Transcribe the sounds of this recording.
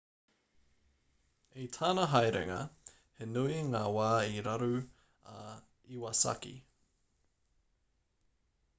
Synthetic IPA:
itʰaːnɐɦɐjɾḛŋɐ̰ | henuiŋaːwaːiɾaɾu | iwɐsa̰kḭ

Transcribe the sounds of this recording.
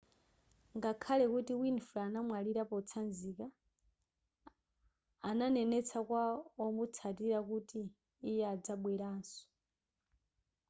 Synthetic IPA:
ŋɡakʰalɛkutiwinfulaanamwaliɾapɔt͡sʰanzika | nanɛnɛt͡sʰakwaɔmut͡sʰatiɾakutiː | jɛad͡zaɓwɛɾaːnsɔ̥

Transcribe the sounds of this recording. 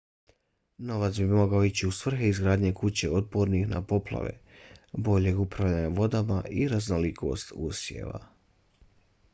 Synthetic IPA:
no̞ʋat̪sbimo̞ɡaoit͡ɕiusʋr̩xeizɡɾaːd̪ɲe̞kut͡ɕe̞o̞d̪̚po̞ɾnixna̰po̞plˠa̰ʋḛ | bo̞ʎe̞ɡupɾaʋʎaɲaʋo̞d̪amaʔiɾaznolikʰo̞̰ːst̪uːsjḛːʋa̰

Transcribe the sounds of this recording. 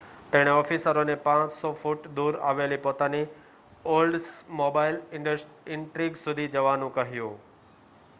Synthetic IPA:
t̪ɐɦɪɽ̃eɔːfiːsəɾonẽpãːt͡ɕsɔfʊʈd̪uːɾa̰ːʋelipoːt̪aːni | oːlɖsmoːbaːɪlɪɖəsʈ | ɪ̃ɳʈɾiːɡsʊd̪ʱid͡ʑɐʋaːnũkɐɦijũː

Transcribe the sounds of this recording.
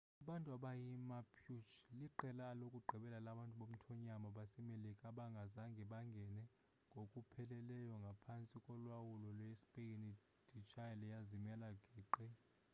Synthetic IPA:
aɓantʼuaɓajimapʰjut͡ʃliǃɛlaːlokʼuɡ͡ǃʱiɓɛlalaɓantʼuɓom̩tʰɔɲamaɓasɛmelikʼaɓaŋɡʱazaŋɡʱɛɓaŋɡʱɛnɛ | ŋɡʱokʼupʰɛlɛlɛjɔŋɡʱapʰant͡sʼikʼɔlwawulɔlwespʼejini | d̥ʱit͡ʃʼajɛlɛjazimɛlaɡ̥ʱiːǃi

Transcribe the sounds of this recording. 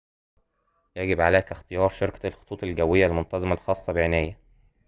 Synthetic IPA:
jæɡɪbʕalæːkæxt̪ejɑːɾˤʃɑɾkælxo̥t̪ˤuːt̪ˤelɡæwːejːælmont̪ɑzˤemælxɑːsˤːɑbeʕenæːjæ

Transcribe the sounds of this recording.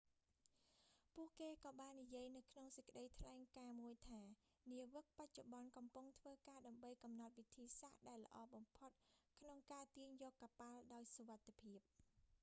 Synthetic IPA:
puəʔkeːkɑːɓaːnːijiəjnɨwkʰnoŋsəc̚kə̆ɗəjt̪ʰlaɛŋkaːmuəjt̪ʰaː | niəʋɨk̚pac̚t͡ɕoɓɑnkɑmpuŋt̪ʰʋəːkaːɗaəmɓəjkɑmnɑt̪̚ʋit̪ʰiːsahɗaɛlːə̆ʔɑːɓɑmpʰot̪̚kʰnoŋkaːt̪iəɲjɔːkːapalɗaɔjsoʋat̪ʰːepʰiəp̚

